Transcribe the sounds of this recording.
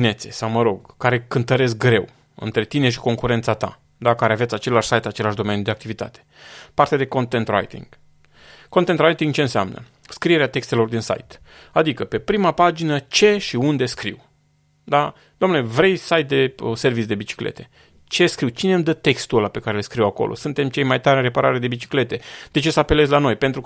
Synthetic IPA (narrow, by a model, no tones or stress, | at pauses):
ine̞t̪sesawməɾo̞ɡkːaɾe̞kɨnt̪əɾe̞sk̚ɡɾe̞w | ɨ̰nt̪ɾe̞t̪ine̞ʃ̬i̥ko̞ŋkuɾe̞nt̪sat̪a̰ | d̪akaɾeavet̪sʲat͡ʃe̞laʃsajt̪at͡ʃe̞laʃd̪o̞me̞njud̪e̞akt̪ivit̪a̰t̪e̥part̪ead̪e̞ko̞nt̪ent̪ra̰jt̪ḭŋɡ̥ | kont̪ent̪rajt̪iŋɡt͡ʃeɨnseamnə̰ | skɾie̞ɾeat̪e̞kst̪e̞lo̞rd̪insa̰jt̪ | ad̪ikəpe̞pɾimapad͡ʒinət͡ʃe̞ʃiund̪e̞skɾḭw | d̪a | d̪̥omnulevɾe̞jsajt̪̚d̪e̞əse̞rvit̪sʲd̪e̞bit͡ʃi̥klḛt̪e̞̥ | t͡ʃe̞skɾiwt͡ʃine̞md̪ət̪ekst̪ulape̞kaɾelskɾiwako̰lo̰sunt̪e̞mt͡ʃe̞jmajt̪aɾʲɨnre̞paɾʔaɾed̪e̞bit͡ʃi̥kle̞t̪e̞d̪e̞t͡ʃe̞səape̞lezʲlano̞jpe̞nt̪ɾu